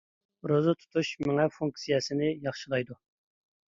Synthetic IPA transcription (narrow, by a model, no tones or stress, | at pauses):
ɾozɨt̪ʰu̥t̪ʰuʃmɪŋɛfuŋksijɛsɪnɪjɑχʃɨlˠɑjd̪u